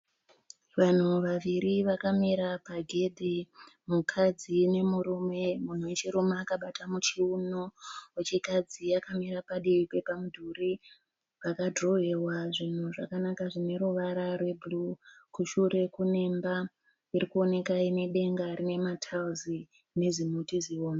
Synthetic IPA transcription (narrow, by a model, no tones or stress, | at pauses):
ʋan̤uʋaʋiɾiʋakamiɾapaɡʱe̞dʱimukʰad͡zine̞muɾume̞mun̤uwet͡ʃiɾumaːkaɓatamut͡ʃiunoet͡ʃikad͡ziakamiɾapaɗiike̞pamudʱuri | ʋakadro̞ɦe̞waʐin̤uʐa̰kanakaʐine̞ɾuʋaɾarwe̞bulukuʃure̞kunemba | irikuo̞ne̞kaine̞ɗe̞ŋɡarine̞matʰauzi | ne̞zimutizioːna